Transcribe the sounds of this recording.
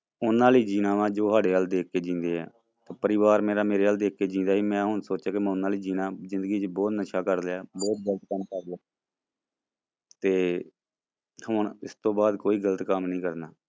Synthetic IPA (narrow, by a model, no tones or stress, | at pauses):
ʊnːãːliːd͡ʒiːnãːʋãːd͡ʒoːɦaːɖeːaːld̪eːkːeːd͡ʒĩːnd̪eːɛ̰ː | t̪aːpəɾɪːʋaːɾmeːɾaːmeːɾeːaːld̪eːkːeːd͡ʒĩːnd̪aːɦiːmɛ̃ːɦʊɳsoːt͡ʃaːkemɛ̃ːʊnãːliːd͡ʒiːnãːzɪ̃nd̪əɡiːt͡ʃbɔːt̪nəʃaːkəɾd̪ɛːbɔːt̪̚ɡələt̪kəmkəɾd̪aː | t̪eː | hʊɳɪst̪õːbaːd̪koːiːɡələt̪kəmnəĩːkəɾnaː